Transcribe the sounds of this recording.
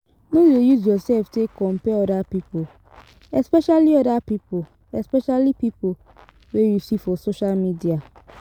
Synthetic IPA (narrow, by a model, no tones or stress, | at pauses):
nõzojuz̬jɔsɛlftekʰɔ̃mpɛɔdapipo | ɛspɛʃaliɔdapipo | ɛspɛʃalipipo | wejusifɔsoʃalmidia